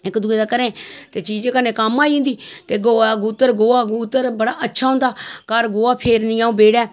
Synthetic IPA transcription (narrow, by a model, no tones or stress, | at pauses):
ɪkd̪uẽːd̪aːkəɾẽːt̪eːt͡ʃiːd͡ʒẽːkənẽːkəmaːĩːnd̪iːt̪eːɡoːaɡuːt̪əɾɡoːaːɡuːt̪əɾbəɽaːʔətːʃʰaːɦʊ̃nd̪aːkəɾɡoːaːpʰeːɾnɪaːũːbeːɽɛː